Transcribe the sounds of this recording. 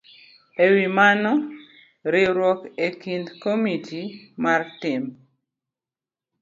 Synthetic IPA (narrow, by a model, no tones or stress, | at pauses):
ewimanɔ | ɾɪɾwɔkekind̪komitʰimartɪm